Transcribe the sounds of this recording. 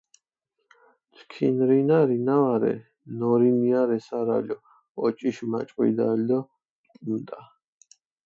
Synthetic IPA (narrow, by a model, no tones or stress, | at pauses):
t̪ʰkʰḭnɾinaɾinavaɾɛ̰ | nɔɾimiaɾɛsaɾa̰lʲɔ | ɔt͡ʃʼiʃma̰t͡ʃʼqʼwḭd̪a̰ld̪ɔ | umt̪ʼa